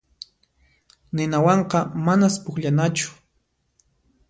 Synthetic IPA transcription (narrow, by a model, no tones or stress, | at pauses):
nɪnawɑɴqɑmanaspʊkʎanat͡ʃʊ̥